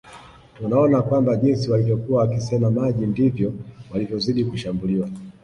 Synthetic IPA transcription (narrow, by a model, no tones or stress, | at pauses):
tunaɔnakwambaʄinsiwalivjɔkuwaːkisɛmamaʄindivjɔwalivjɔziɗikuʃambuliwa